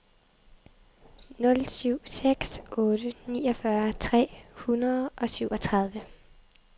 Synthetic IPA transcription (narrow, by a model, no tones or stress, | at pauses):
nɔ̽lsyʊ̰seɡ̥sɔːɾ̥ənḭːɒ̽fɶɐt͡sʰʁɛ̰ːhunɐð̞ˠʔɒ̽syʊɒ̽t͡sʰʁɑ̈ð̞ˠʋə